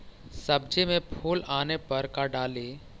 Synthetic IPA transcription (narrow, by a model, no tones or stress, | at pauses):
səbd͡ʒemẽpʰuːlaːnepəɾkaɖaːle